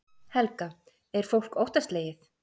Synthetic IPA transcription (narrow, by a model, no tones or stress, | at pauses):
hɛlka | ɛɾ̥fowl̥kowht̪ast̪leːjɪθ